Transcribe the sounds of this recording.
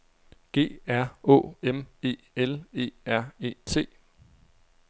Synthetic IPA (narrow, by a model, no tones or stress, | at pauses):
ɡ̥e̝̰ːæɐ̰ɔ̰̽ːeme̝̰ːele̝̰ːæɐ̰e̝̰ːt͡sʰe̝̰ː